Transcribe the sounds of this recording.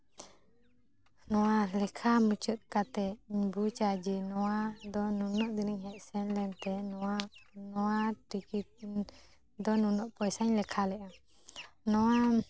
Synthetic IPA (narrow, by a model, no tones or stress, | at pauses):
nɔwalɛkʰamut͡ʃut̪̚ˀkat̪ɛiɲbut͡ʃad͡ʒɛnɔwad̪ɔnunɔʔd̪iniɲhɛʔ̚sɛnlɛnt̪ɛnɔanɔwaʈikit̪̚ | d̪ɔnunɔʔpɔjsaɲlɛkʰalɛʔa | nɔwa